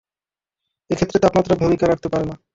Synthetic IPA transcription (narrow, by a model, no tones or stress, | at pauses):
ekʰet̪ːɾet̪apmat̪ːɾabʱumikaɾak̚ʰt̪epaɾena